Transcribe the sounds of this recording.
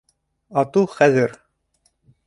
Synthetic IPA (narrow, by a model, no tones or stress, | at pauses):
ɑt̪uχæzɘɾ